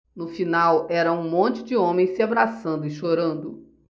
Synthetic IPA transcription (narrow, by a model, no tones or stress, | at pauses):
nʊfinawɛɾɐũmõnt͡ʃɪd͡ʒɪõmẽj̃sɪabɾasɐ̃nd̪ʊɪʃoɾɐ̃nd̪ʊ